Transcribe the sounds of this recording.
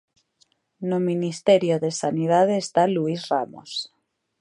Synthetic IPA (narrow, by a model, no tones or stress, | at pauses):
nominist̪eɾjoðesaniðað̞eːst̪aluisramo̰s